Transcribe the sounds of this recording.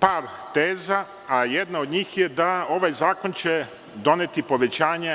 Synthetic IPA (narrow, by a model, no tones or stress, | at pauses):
paːɾt̪eːzaː | jed̪nao̞d̪ɲiːxjed̪ao̞ʋajzaːko̞nt͡ɕe | d̪o̞neːt̪ipo̞ʋe̞t͡ɕaːɲe